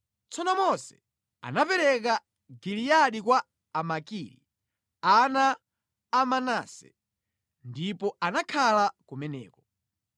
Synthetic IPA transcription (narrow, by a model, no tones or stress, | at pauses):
t͡sɔnɔmɔsɛ̥ | a̰napɛɾɛka | ɡilijaɗikwa | amakiɾḭ | anaː | manasɛ̰ | ndipɔanakʰalakumɛnɛ̰ːkɔ